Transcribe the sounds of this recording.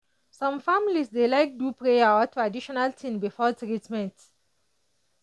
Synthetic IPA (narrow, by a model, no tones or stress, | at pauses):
sãmfamilisdelajk̚dupɹeawɔtɹadiʃɔnaltʰĩmbifɔtɹitmɛ̃nt